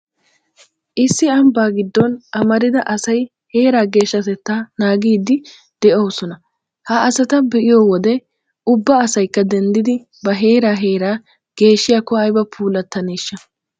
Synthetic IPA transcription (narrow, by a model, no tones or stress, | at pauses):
ʔɪsːɪɐmbaːɡɪd̪ːɔnʔɐmɐɾɪd̪ɐʔɐsɐj | he̞ːɾaːɡe̞ːʃːɐt̪ɛt̪ːaːnaːɡiːd̪ɪ | d̪̥ɛʔoːsɔnɐ | hɐɐsɐt̪ɐbɛʔɪjoːwɔd̪ɛ | ʔʊbːɐːsɐjkːɐd̪ɛnd̪ɪd̪ɪ | bɐɦe̞ːɾaːɦe̞ːɾaː | ɡ̥e̞ːʃːɪjaːkːɔɐjbɐpʰuːlɐt̪ːɐneːʃːɐ